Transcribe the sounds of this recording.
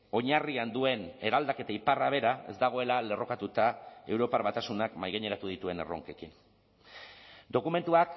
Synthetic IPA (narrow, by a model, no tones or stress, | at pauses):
o̞ɲariand̪ue̞ne̞ɾald̪ake̞t̪aiparaβ̞e̞ɾae̞zd̪aɣ̞o̞e̞lale̞ro̞kat̪ut̪ae̞wɾo̞paɾβat̪asunakmajɣeɲe̞ɾat̪uð̞it̪ue̞ne̞̰ro̞̰ŋke̞kin | d̪o̞kume̞nt̪uak